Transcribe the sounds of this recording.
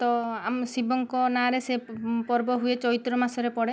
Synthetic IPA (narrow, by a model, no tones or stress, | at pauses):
t̪ɔamsibɔŋkɔnaɾesepɔɾbɔɦuet͡ʃɔit̪ɾɔmasɔɾepɔɽe